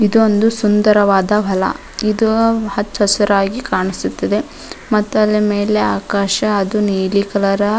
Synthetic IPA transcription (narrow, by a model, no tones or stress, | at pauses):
id̪uond̪usund̪ɐɾɐʋaːd̪ɐbʱɐlɐ̰ | id̪uhɐt̪ːhɐsɐɾaːɡikaːɳisut̪ːɐd̪e̞ | mɐt̪ːɐlːɐmeːleaːkaːʃɐːd̪uniːlikɐlɐɾɐ